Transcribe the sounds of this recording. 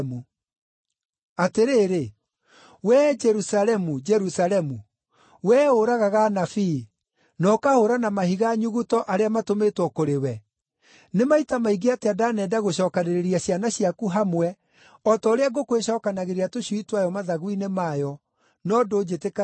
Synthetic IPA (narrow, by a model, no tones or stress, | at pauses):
mu | ateɾeːɾe | wɛd͡ʒɛɾusalɛmud͡ʒɛɾusalɛmu | wɛːoɾaɣaɣanafi | nɔkahoɾanamahiɣaɲuɣutɔʔaɾeamatometwɔkoɾewɛ | nemaitamaiɡeateadanɛdaɣoɕɔːkaɾeɾeɾiaɕjanaɕjakuɦamwɛ | ɔtɔoɾeaɡokweɕɔːkanaɣeɾiatoɕuitwajɔmaðaɣwinemajɔ | nɔdoːd͡ʒeteka